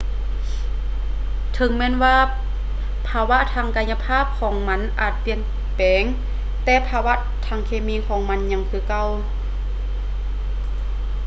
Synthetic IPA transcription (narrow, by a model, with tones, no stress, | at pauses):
t̪ʰɤ˨˦ŋmɛː˧˥˨nwaː˧˩ | pʰaː˧wa˧˥ʔt̪ʰaː˧˥˨ŋka˧˥nɲa˧pʰaː˥˨p̚kʰɔː˩˦ŋma˧˥˨nʔaː˨˩t̪̚pi˨˩ən | pɛː˨˦ŋ | t̪ɛː˧˩pʰaː˧wa˧˥ʔ | t̪ʰaː˧˩ŋkʰeː˧miː˧˥˨kʰɔː˩˦ŋma˧˥˨nɲa˧˥ŋkʰɯː˧˩ka˧˩˨w